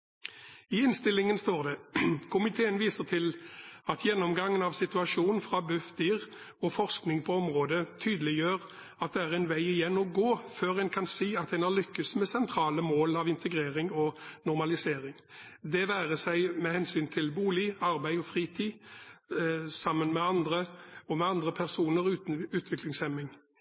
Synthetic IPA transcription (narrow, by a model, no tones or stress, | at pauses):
ɪɪnst̪ɪlːɪŋənst̪oːʁd̪ɛkʰʊmɪt̪ʰeːənʋiːsəʁt̪ʰɪlɑt̪jɛnːɔmɡɑŋːənɑʋsɪt̪ʉɑʃuːnn̩fʁɑbʉfd̪iːʁ | ɔfɔʁsknɪŋpʰɔɔmʁoːd̪ət̪ʰyːd̪əlɪjøːʁ | ɑt̪̚d̪ɛæːʁɛnʋæɪɪjɛnːɔɡoːføːʁænkʰɑnsiːɑt̪ɛnælʏkːəsmɛsɛnt̪ʰɾɑːləmoːlɑʋɪnt̪ʰəɡʁeːʁɪŋɔnʊʁmɑlɪseːɾɪŋ | d̪ɛʋæːʁəsæɪmɛhɛnsyːnt̪ʰɪlbuːlɪɑʁbæɪɔfʁiːt̪ʰiː | sɑmːənmɛɑnd̪ʁəɔmɛɑnd̪ʁəpʰæʁsuːnəʁʉʉːt̪ʰʋɪklɪŋsɛmɪŋ